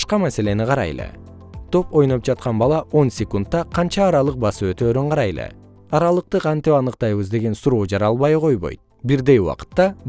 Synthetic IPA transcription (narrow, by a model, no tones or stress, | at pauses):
ʃqɑmæse̞le̞niqɑɾɑ̰jlˠḛ | t̪ʰo̞po̞jno̞p̚d͡ʒɑt̪̚qɑnbɑlˠɑo̞nsʲekunt̪ːɑqʰɑnt͡ʃɑːɾɑlˠɯq̚bɑsɯø̞t̪øːɾyɴqʰɑɾɑjlˠḛ | ɑɾɑlˠɯq̚t̪ɯqʰɑnt̪ipɑnɯqt̪ɑjβɯzd̪e̞ɡe̞nsuɾo̞ːd͡ʒɑɾɑlˠβɑjqʰo̞jβo̞̰jt̪̚ | biɾd̪e̞juwɑ̰qɯ̥t̪ːɑ